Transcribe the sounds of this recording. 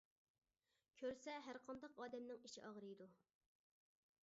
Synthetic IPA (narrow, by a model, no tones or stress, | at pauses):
kʲʰøɾsɛɦæɾqʰɑnd̪ɑqɑːd̪ɛmnɪŋiʃḭʔɑʁɾɨjd̪u